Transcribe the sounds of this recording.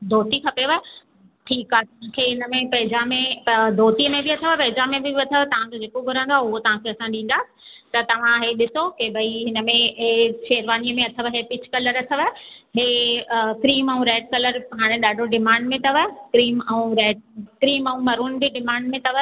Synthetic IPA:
d̪ʱoːt̪ikɐpeʋə | ʈʰiːkaːɦt̪ɐãkʰeɦɪnəmẽpɐɦɪd͡ʑamẽd̪ʱoːt̪iəmẽbɪɐt̪ʰəʋəpɐɦɪd͡ʑamẽbɪɐt̪ʰəʋət̪ɐʋ̤ãd͡ʑod͡ʑeːkobʱʊɾə̃ːnd̪waːʊɦot̪ɐʋ̤ãkʰeɐsãɗĩːnd̪aːsɪ̥ | t̪ɐt̪ɐʋ̤ãɦeɗɪsokebʱɐiɦɪnə̆mẽʃeːɾʋaːniəmẽɐt̪ʰəʋəɦepɪt͡ɕʰkɐləɾɐt̪ʰəʋəɦeːkɾiːmɛũɾeːʈ̚kɐləɾɦaːɽ̃eɗaːɖʱoɖɪmãːɳɖmẽt̪ɐʋəkɾiːmɛũɾeːɖ̚kɾiːmɛũmɐɾuːnbɪɖɪmãːɳɖmẽt̪ɐʋə

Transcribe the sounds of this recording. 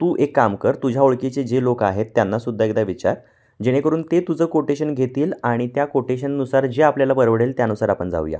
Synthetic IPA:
t̪uːʔekːamkəɾt̪ud͡ʑʱjaoɭkit͡sed͡ʑelokaɦet̪ːjanːasud̪ʱːaek̚d̪aʋit͡ɕaɾ | d͡ʑeɽ̃ekəɾuːnt̪et̪ud͡zəːkoʈeɕənɡʱet̪iːlaɽ̃it̪jakoʈeɕ̬ənːusaɾd͡ʑeapljalabəɾʋəɽelt̪janusaɾapəɳd͡za̰uja̰

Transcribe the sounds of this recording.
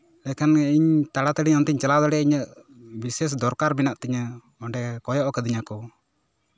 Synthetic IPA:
lɛkaniɲt̪aɽat̪əɖiɲɔnt̪iɲt͡ʃalad̪ɔɽɛiɲəʔ | bises̬d̪ɔɾkaɾbinaʔt̪ɛɲə | ɔɳɖɛkɔjɔʔkəd̪iɲakɔ

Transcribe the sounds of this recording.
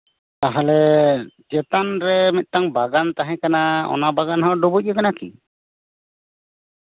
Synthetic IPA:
t̪aɦalɛd͡ʒɛt̪anɾɛmɛt̪̚ˀt̪aŋbaɡant̪aɦɛ̃kanaɔ̰nabaɡanɦɔ̃ɖubuc̚ˀɛkanakḭ

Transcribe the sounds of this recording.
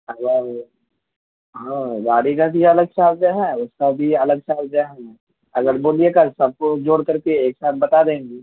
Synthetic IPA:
wa | ɦãbaːɽikabʱiɐləɡ̚ʃaːl̚d͡ʒaɦɛʊskabʱiɐləɡ̚saːld͡ʒaɦɛ̃ | ɐɡəɾboːlijekɐɾsɐb̚kod͡ʒoːɽkɐɾkeeːksaːt̪̚ʰbɐt̪ad̪ẽːŋɡiː

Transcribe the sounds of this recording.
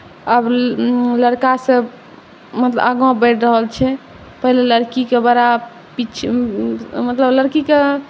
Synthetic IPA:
əbləɾkasə̃ | mət̪lə̰əɡãbəʈʰɾəɦəlt͡ʃʰɛ | pəɦileləɾkikebəɾa | pit͡ʃʰ | mət̪ləbləɾkike

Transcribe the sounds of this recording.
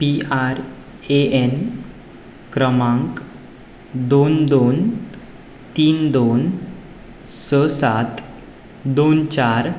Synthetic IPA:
piaɾ | een | kɾəmãŋk | d̪ond̪on | t̪iːnd̪on | səsat̪ | d̪ont͡ɕaɾ

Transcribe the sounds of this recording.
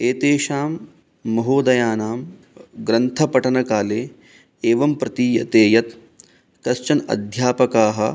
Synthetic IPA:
eːt̪eːʃaːmː | ɐɦoːd̪ɐjaːnaːm | ɡɾɐnt̪ʰɐpɐʈɐnɐkaːleː | eːʋɐmpɾɐt̪iːjɐt̪eːjɐt̪ | kɐst͡ʃɐnɐ̰d̪ʱjaːpɐkaːɦɐ̰̆

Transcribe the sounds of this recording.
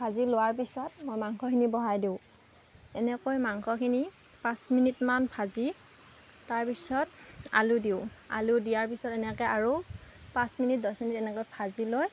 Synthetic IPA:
pʰazilowaɹpisɔtmojmaŋkʰɔkʰinibɔɦajdiʊ̃ | ɛnɛkojmaŋkʰɔkʰini | pãsminitmanpʰazi | taɹpisɔta̰ludiʊa̰ludijaɹp̬isɔtɛnɛkɛaɹu | pãsminit̚dɔsminitɛnɛkɔjpʰaziloj

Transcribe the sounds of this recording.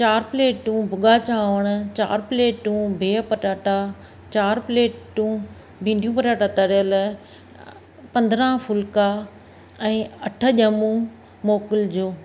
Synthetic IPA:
t͡ɕaːɾpleːʈũːbʱʊɠat͡ɕãːʋəɽ̃ʊt͡ɕa̰ːɾpleːʈũbʱeːpɐʈaːʈa | t͡ɕaːɾpleːʈːũ | bʱĩːɳɖʱijũpɐʈaːʈat̪əɾjəl | pɐ̃nd̪ɾãfʊlka | ɛ̃ːɐʈʰə̆ʄɐmũ | moːkɪld͡ʑoː

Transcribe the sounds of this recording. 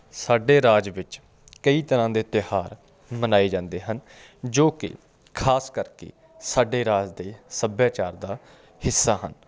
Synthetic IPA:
saːɖeːɾaːd͡ʒʋɪt͡ʃ | kəiːt̪əɾãːd̪eːt̪ɪhaːɾ | mənaːiːd͡ʒãːnd̪eːɦən | d͡ʒoːkɪ̰ | kʰaːskəɾkḛː | saːɖeːɾaːd͡ʒd̪eːsəbjaːt͡ʃaːɾd̪aː | hɪsːaːɦə̰n

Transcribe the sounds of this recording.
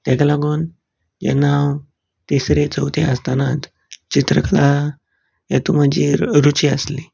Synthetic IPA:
t̪ɛkalaɡuːn | jɛ̰naw | t̪isɾet͡səwt̪ʰeast̪anat̪ | t͡ɕit̪ɾəkla | jat̪uməd͡ʑiːɾut͡ɕiəsli

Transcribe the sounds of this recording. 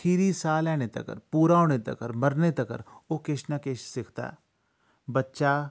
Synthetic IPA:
kʰiɾisaːlɛːñet̪ɐ̰kə̰ɾpuːɾaːoɽ̃et̪ɐ̰kəɾmɐɾnet̪ɐkə̰ɾokeʃnɐkeːʃsɪkʰt̪a̰ː | bɐtːʃaː

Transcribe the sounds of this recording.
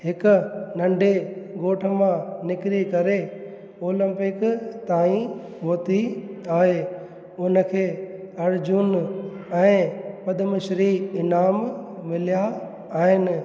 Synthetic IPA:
ɦɪkʊ̆nɐ̃ɳɖeɡoːʈʰəmãnɪkɪɾikɐɾe | oːlə̃mpɪkt̪aːĩ | ʋoːt̪iaːɦeː | ʊnə̆kʰeːɐɾd͡ʑʊn | ɛ̃ːpɐd̪əməʃɾiɪnaːmmɪlija | aːɦɪn

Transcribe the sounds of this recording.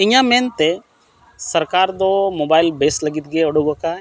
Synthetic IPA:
ɪɲãmeːnt̪e | sɐɾkaːɾd̪omoːbaːɪlbeːslɐɡit̪̚ɡeoɽoɡoka

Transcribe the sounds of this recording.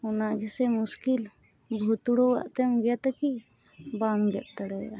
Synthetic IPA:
unaɡɛsɛmuskil | bʱot̪uɽowa̰ʔt̪ɛmɡɛjat̪akibamɡɛʔ̪̚t̪əɽɛa̰

